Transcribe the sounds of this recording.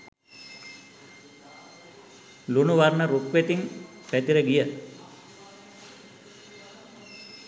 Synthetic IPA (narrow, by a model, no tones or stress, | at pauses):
lunuʋarnəɾukʋet̪iŋ | pæt̪iɾəɡijə